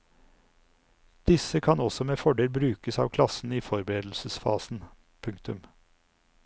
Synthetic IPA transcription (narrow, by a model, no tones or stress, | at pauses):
d̪̥ɪsəkʰɑnɔsɔmeːfɔɖeːlbɾʉːkəsɑ̰ːʋkʰlɑsn̩iːfɔɾbəɾeːd̪l̩səsfɑ̰ːsn̩ | pʰʉŋkt̪ʉm